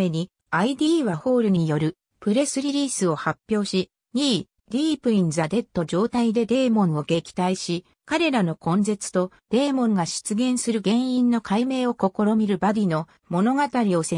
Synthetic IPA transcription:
e̞ɲ̟i | aid̪ʲiːβaho̞ːɾɯ̟ɲ̟iijo̞ɾɯ̟ | pɯ̟ɾe̞sɨɾʲiɾʲiːsɨo̞hapʲːjo̞ːɕi | ɲiː | d̪̥ʲiːpɯ̟ĩnzad̪e̞t̪ːo̞d͡ʑo̞ːt̪aid̪e̞d̪e̞ːmõ̞ɰ̃o̞ɡe̞kʲi̥t̪aiɕi | kaɾe̞ɾano̞kõ̞nd͡ze̞t͡sɨ̥t̪o̞d̪̥e̞ːmõ̞ŋɡaɕi̥t͡sɨɡẽ̞ɰ̃sɨɾɯ̟ɡẽ̞ɰ̃ĩnːo̞kʰaime̞ːo̞ko̞ko̞ɾo̞mʲiɾɯ̟bad̪ʲino̞ | mo̞no̞ɡat̪aɾʲio̞se

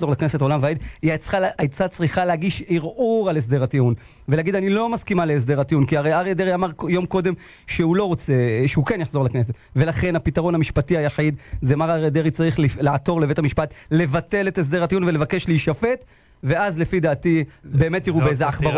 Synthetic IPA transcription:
zo̞ʁlakne̞setolamveaid̪iat͡sχaʔajt͡sat͡sʁiχaleaɡiʃiʁʔuʁales̬d̪e̞ʁatiun | veleaɡid̪anilo̞maskimalees̬d̪e̞ʁat̪iunkiaʁeaʁied̪eʁiamaʁjo̞mko̞d̪e̞m | ʃeulo̞ʁo̞t͡seʃeukenjaħzo̞lakne̞s̬et̪ | ve̞laχe̞napitaʁo̞namiʃpatiajaħid̪zemaʁaʁid̪eʁit͡saʁiχlilaato̞ʁlevethamiʃpatle̞vat̪e̞le̞tes̬d̪e̞ʁatiunvelevake̞ʃliːʃafet | ve̞azle̞fid̪aːtibe̞ːme̞t̪jiʁubeezeaχba

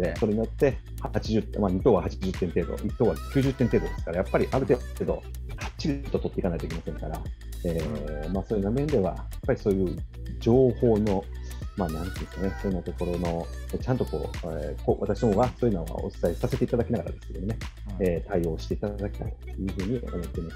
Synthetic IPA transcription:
d̪eso̞ɾe̞ɲ̟ijot̪ːe̞ | haat͡ɕiʑɨt̪emaɲ̟it̪o̞ːβahat͡ɕiʑɨt̪ːẽ̞nt̪e̞ːd̪o̞̰ʔit̪oːβakʲɨːʑɨt̪ːe̞nt̪e̞ːd̪o̞d̪e̞sɨ̥kaɾajapːaɾʲiʔaɾɯ̟t̪e̞ːed̪o̞̰hḁt͡ɕːiɾʲit̪o̞t̪o̞t̪ːeikanait̪oikʲimasẽ̞ŋkaɾa̰eːmaːsoːjɯ̟namẽ̞nd̪e̞βa̰japːaɾʲiso̞ːjɯ̟ːd͡ʑo̞ːho̞ːno̞maːnãnt̪ɯ̟̃skanesonːat̪o̞ko̞ɾo̞no̞et͡ɕãnt̪o̞ko̞̰ːekoβʔa̰t̪aɕinomoɡasoːjɯnaβa̰o̞̰sɨ̥saisase̞t̪e̞it̪ad̪akʲinaɡaɾa̰d̪e̞sɨ̥ej̪oone̞eːt̪aio̞ːɕi̥t̪eit̪ad̪akʲt̪ait̪ːejɯ̟ːɸɯ̟ːɲ̟io̞̰mo̞t̪ːe̞imas

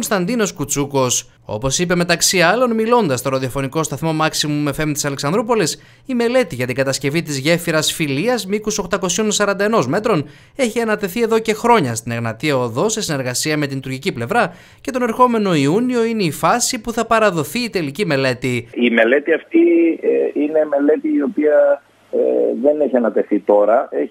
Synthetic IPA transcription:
onst̪ɐnd̪ino̞skut͡suko̞s | o̞̰po̞sipe̞me̞t̪ɐksiɐlo̞nmilo̞nd̪ɐst̪o̞ɾɐðio̞fo̞niko̞st̪ɐθmo̞mɐksimume̞fe̞mt̪isɐleksɐnd̪ɾup̬o̞lis | ime̞le̞t̪iʝɐt̪iŋɡɐt̪ɐsce̞vit̪izʝe̞fiɾɐsfiliɐzmikuso̞kt̪ɐko̞sio̞nsɐɾɐnd̪ɐeno̞zme̞t̪ɾo̞n | e̞çiɐnɐt̪e̞θie̞ðo̞ce̞xɾo̞ɲɐst̪ineɣnɐt̪iɐoðo̞se̞sine̞ɾɣɐsiɐmet̪int̪uɾʝiciple̞vɾɐ | cet̪o̞ne̞ɾxo̞me̞no̞iunio̞ineifɐsipuθɐpɐɾɐðo̞θiːt̪e̞licime̞le̞t̪iime̞le̞t̪iɐft̪ieine̞me̞le̞t̪iːo̞piɐ | ðe̞neçiɐnɐt̪e̞θit̪o̞ɾɐe

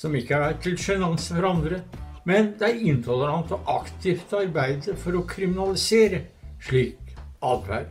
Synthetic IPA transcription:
sɔmɪkːəæɖæt̪ʰɪlʂɛnɑnsəfɔɾɑnd̪ɾəmɛnd̪ɛæɾɪnt̪ʰɔləɾɑnt̪ɔʔɑkt̪ʰɪːft̪ɑɾbæɪd̪əɾfɔɾɔkʰɾɪmɪnɑlɪseːɾəʂɭiːkɑd̪ʋæ̰ɾ

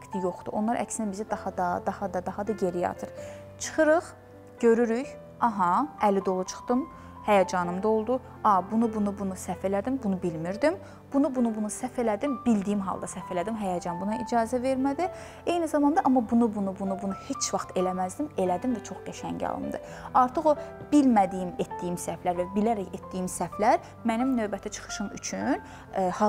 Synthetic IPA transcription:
kt̪ʰijo̞χd̪̥uʔonlˠɑɾʔæ̰csind̪æbizid̪ɑhɑd̪ɑd̪ɑhɑd̪ɑd̪ɑhɑd̪ɑɟe̞ɾijɑ̰t̪ʰɯɾ | t͡ʃʰɯ̥χɯɾɯχ | ɟ̥ø̞ɾyɾyç | ɑɦɑælid̪o̞lˠut͡ʃʰɯ̥χt̪ɯm | hæjɑd͡ʒɑnɯmd̪ɑo̞lˠd̪u | ɑbunubunubunusæfe̞læd̪imbunubilmiɾd̪im | b̥unubunubunusæfe̞læd̪imbild̪ijimɦɑ̰lˠd̪ɑsæfe̞læd̪imɦæjɑd͡ʒɑnbunɑid͡ʒɑːzæve̞ɾmæd̪i | ejnizɑmɑnd̪ɑʔɑmːɑbunubunubunubunuhe̞t͡ʃʰvɑχt̪e̞læmæzd̪ime̞læd̪imvæt͡ʃʰo̞χd̪æʃæ̰nɟɑ̰lˠɯ̰md̪ɯ̰ | ɑɾt̪ʰɯχo̞b̥ilmæd̪ijimet̪̚d̪ijimsæflæɾvæbilæɾæcet̪̚d̪ijimsæflæɾ | mænimnø̞vbæt̪ʰæt͡ʃʰɯ̥χɯ̥ʃɯmy̰t͡ʃʰyn | hɑ

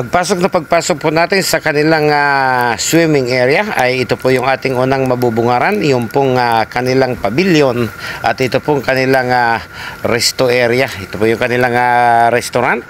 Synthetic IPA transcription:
pɐɡ̚paːsok̚nɐpɐɡ̚paːsok̚pʊnaːt̪ɪnsɐkɐnɪlaŋaswimɪŋʔɛɾjaɐjɪt̪opojʊŋʔaːt̪ɪŋuːnaŋmɐbubʊŋaːɾanjʊŋpʊŋakɐnɪlaŋpɐbiljonʔɐt̪ʔɪt̪opoŋkɐnɪlaŋaɾɛst̪oʔɛɾjaɪt̪opojʊŋkɐnɪlaŋaɾɛst̪ʊɾant̪̚

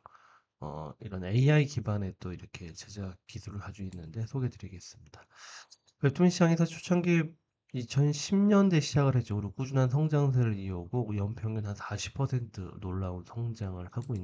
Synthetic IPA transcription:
ʌ̰iɾʌne̞iaikibane̞t͈oiɾʌkʰe̞t͡ɕed͡ʑakisʰuɾɯɭkad͡ʑuinːɯnde̞sʰoɡe̞dɯɾiɡe̞s͈ɯmɲid̥a | peɭtʰuŋɕʰid͡ʑaŋesʰʌt͡ɕʰot͡ɕʰaŋɡi | it͡ɕʰʌnɕʰimɲʌnde̞ɕʰid͡ʑaɡɯɭɦe̞t͡ɕ͈ʌɡɯɾokud͡ʑunɦansʰʌŋd͡ʑaŋs̬ʰɯɾɯɾiuɡojʌmpʰjʌŋɡɯnɦansaɕʰi̥pʰːʌsʰe̞ntʰɯ̰noɭːaunsʰʌŋd͡ʑaŋɯɭkaɡoinː

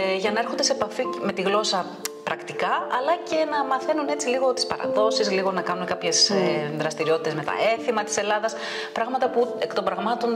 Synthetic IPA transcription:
ʝɐnɐeɾxo̞nd̪eseepɐfime̞t̪iɣlo̞sɐ | pɾɐkt̪ikɐɐlɐce̞nɐmɐθe̞nune̞t͡siliɣo̞t̪i̥spɐɾɐ̰ðo̞sizliɣo̞nɐkɐnunekɐpçe̞seðɾɐst̪iɾio̞t̪it̪eme̞t̪ɐ̰e̞θimɐt̪i̥se̞lɐðɐs | pɾɐɣmɐt̪ɐpuekt̪o̞mbɾɐɣmɐt̪o̞n

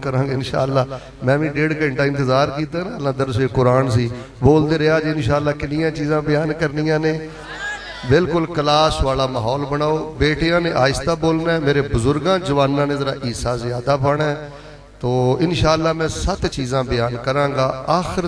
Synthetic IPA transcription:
kəɾãːɡɪnʃa̰ːlːaː | mɛ̃ːʋĩːɖeːɽkaːɪ̃ɳʈaːɪ̃nt̪ɪzaːɾkiːt̪aːnaːlãːd̪əɾseːkʊɾaːnsiː | boːld̪eːɾejaːd͡ʒiːɪnʃaːlːaːkɪnɪjãːt͡ʃiːzãːbɪjaːnkəɾnɪjãːneː | bɪlkʊlkəlaːsʋaːlaːmaːɦɔːlbənaːoːbeːʈijãːneːʔaːɪst̪aːboːlnaɛmeːɾeːbʊzʊɾɡãːd͡ʒəʋaːnːãːnẽːzəɾa̰ːʔiːsaːzɪjaːd̪aːpəɽɛː | t̪oːɪnʃaːlːaːmɛ̃ːsət̪t͡ʃiːzãːbɪjaːnkəɾãːŋɡaːaːxɾ

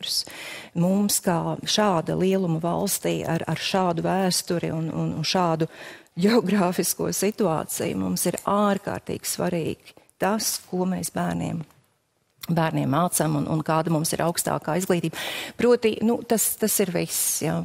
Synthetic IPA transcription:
ɾsmumskaːʃɑːd̪ɐlˠiɛlˠumɐvɑ̰lˠst̪ḭːa̰ɾa̰ɾʃɑːd̪ʊvæːst̪uɾḭunṵnnʃɑːd̪uɟeɔɡɾaːfiskṵɔsit̪uɑ̰ːt̪sɛ̰j̰mṵmsiɾaːɾka̰ːɾt̪ḭːɡ̥i̥sva̰ɾḭːɡ̥t̪askuɔmeːsbæːɾnḭɛm | bæːɾniɛmːaːt̪samunʔṵnkɑːd̪amumsiɾʔaʊkst̪a̰ːkaːizɡlˠiːt̪iːbpɾuɔt̪inut̪ast̪asiɾvisja

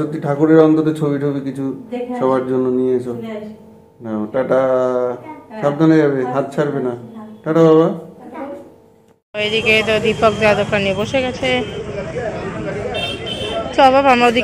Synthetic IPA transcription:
ot̪iʈʰakuɾeɾɔnt̪ɔt̪et͡ʃʰobiʈʰobikit͡ʃʰusɔbaɾd͡ʒonːɔnieesʰo | naoʈaʈa | sab̚d̪ʱɔnad͡ʒabeɦãt̪̚t͡ʃʰaɾbenaʈaʈababa | ɔeɾiket̪ɔd̪ipɔkd̪eat̪opɾanieboʃekat͡ʃʰe | sɔbʱabamad̪ʱi

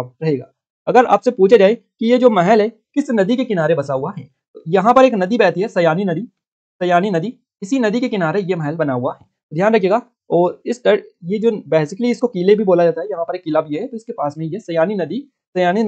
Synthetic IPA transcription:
ɾɐɦeːɡaː | ɐɡəɾa̰ːpsepuːt͡ʃʰad͡ʒaːekijed͡ʒoːmɛɦɛlɦɛ | kɪsnɐd̪ikekɪnaːɾebɐsaɦuaɦɛː | t̪ojɐɦãpɐɾeːknɐd̪ibɛːt̪iɦɛsɐjaːninɐd̪i | sɐjaːninɐd̪i | ɪsinɐd̪ikekɪnaːɾejemɛɦɛlbɐnaɦʊaɦɛː | d̪ʱjaːnɾɐkʰeːɡaː | ɔːɾɪsʈɐɽjed͡ʒoːbeːsɪkəliɪskokiːlebʱiboːlad͡ʒaːt̪aɦɛjɐɦãpɐɾeːkːilabʱijeɦɛt̪oɪskepaːsmẽijɛsɐjaːninɐd̪i | sɐjaːnin

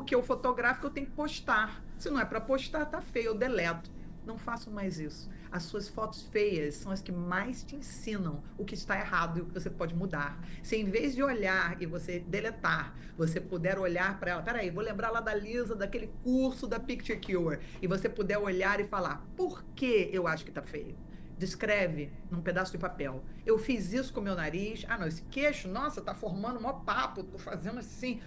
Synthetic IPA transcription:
poɾkeʊfot̪oɡɾafikʊewt̪ẽjʊkɪ̥poʃt̪aɾ | sɪnɐ̃w̃ɛpɾɐpoʃt̪aɾt̪afejʊd̪elɛt̪ʊ̥ | nɐ̃w̃fasɐ̃w̃majzisʊ̥ | ɐsːuɐsfɔt̪ʊ̥sfejɐssːɐ̃w̃ɐskɪmajst͡ʃɪẽsĩnɐ̃w̃ʊkɪst̪aehad̪ʊɪʊkɪvos̬epɔd͡ʒɪmud̪aɾsɪẽj̃vezd͡ʒɪoʎaɾɪvosed̪elet̪aɾ | vos̬epud̪ɛɾoʎaɾpɾɐɛlɐpɛɾaivolẽmbɾaɾlad̪ɐlizɐd̪ɐkelɪkuɾsʊd̪ɐpikt͡ʃeɾkueɾɪvosepud̪ɛɾoʎaɾɪfala̰ɾpoɾkeewaʃʊ̥kɪ̥t̪afejʊ | d͡ʒɪskɾɛvɪnũped̪asʊd͡ʒɪpapɛwewfizisʊ̥kõmewnaɾiʃa̰nɐ̃w̃esɪ̥keʃʊnɔsɐt̪afoɾmɐ̃d̪ʊũapapʊt̪ofazẽnd̪ʊasĩ

